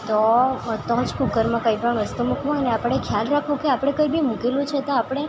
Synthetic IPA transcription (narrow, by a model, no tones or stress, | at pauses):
t̪ot̪ɔd͡ʒkukəɾmãkəjipəɳʋəst̪umukʰʋõɦɔjneapəɽɳekʰjalɾakʰʋũkeapɽ̃ekəjbimũkelũt͡ʃʰet̪oapɽ̃e